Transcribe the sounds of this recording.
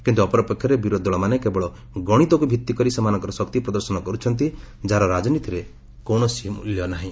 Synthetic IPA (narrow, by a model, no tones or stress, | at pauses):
kint̪uɔpɔɾɔpekʰːjɔɾebiɾod̪ʱɔɭɔmanekebɔɭɔ | ɡɔɽ̃it̪ɔkubʱit̪ːikɔɾisamanɔŋkɔɾɔsɔkt̪ipɾɔd̪ɔɾsɔnɔkɔɾut͡ʃʰɔnt̪i | d͡ʒaɾɔɾad͡ʒɔnit̪iɾe | kowɳɔsimṵljɔnaɦĩ